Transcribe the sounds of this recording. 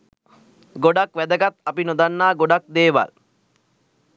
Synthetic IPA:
ɡoɖakʋæd̪ɐɡat̪apinod̪anːaːɡoɖak̚d̪eːʋa̰l

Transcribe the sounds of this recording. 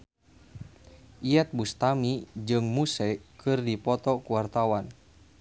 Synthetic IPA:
ʔiɛt̪̚bust̪amid͡ʒɨŋmusɛkʰɨrdipɔt̪ɔkuwart̪awan

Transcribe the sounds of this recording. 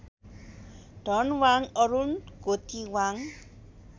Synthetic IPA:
ɖʱʌnwaŋʌɾunɡot̪iwaŋ

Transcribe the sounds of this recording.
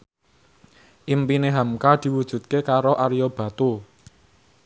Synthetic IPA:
ʔimpineɦamkad̪̥i̤wud̥ʒ̥ṳt̪̚kekaɾoʔaɾijob̥ä̤t̪u

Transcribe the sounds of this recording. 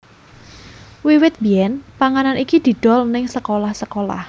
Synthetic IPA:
wiwɪt̪̚biɛnpaŋananikid̪̥i̤d̪̥ɔ̤lnɪŋsəkolahsəkola̰h

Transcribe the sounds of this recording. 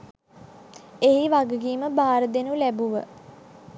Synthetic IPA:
eɦiʋaɡəɡiːməbaːɾəd̪enulæbuʋə

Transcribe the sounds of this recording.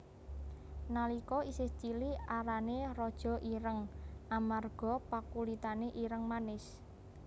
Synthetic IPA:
nalikɔisɪht͡ʃiliaɾanerɔd̥ʒ̥ɔ̤ʔiɾəŋʔamarɡ̥ɔ̤pakulit̪aneʔiɾəŋmanɪs

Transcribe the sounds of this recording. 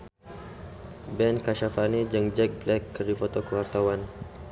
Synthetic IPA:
bɛnkaʃafaned͡ʒəŋd͡ʒɛk̚blɛkːəɾifɔt̪ɔkəwart̪awan

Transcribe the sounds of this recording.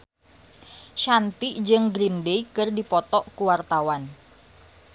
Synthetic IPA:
ʃant̪iʔd͡ʒɨŋɡɾindeikɨrdipɔt̪ɔʔkuwart̪awan

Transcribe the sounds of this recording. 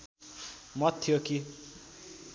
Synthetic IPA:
mʌt̪ʰːijoki

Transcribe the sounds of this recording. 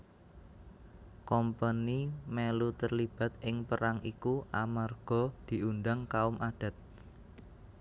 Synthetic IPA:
kɔmpanimelut̪ərlib̥ä̤t̪̚ɪŋpəɾaŋikuʔamarɡ̥ɔ̤d̪̥i̤ʔund̪aŋkaʊmʔaɖ̥ä̤t̪̚

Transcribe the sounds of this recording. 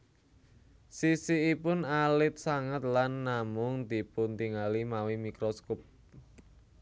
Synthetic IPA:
sisiːpʊnalɪt̪̚saŋət̪̚lanːamʊŋd̪i̤punt̪iŋalimawimikɾoskɔp̚

